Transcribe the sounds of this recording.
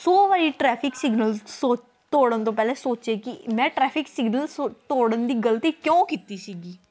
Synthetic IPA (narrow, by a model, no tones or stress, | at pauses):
soːʋaːɾiːʈɾɛːpʰɪksɪɡnəlsoːt͡ʃ | t̪oːɽənt̪õːpɛːleːsoːt͡ʃeːkɪmɛ̃ːʈɾɛːpʰɪksɪɡnəlt̪oːɽənd̪iːɡəlt̪iːkjõːkɪt̪iːsiːɡiː